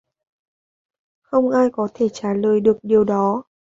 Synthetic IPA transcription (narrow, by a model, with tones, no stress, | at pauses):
xə˧wŋ͡mʔaː˧jkɔ˨˦t̪ʰe˧˩t͡ɕaː˧˩ləː˨˩jɗɨ˨˩ək̚ɗi˨˩əwɗɔ˨˦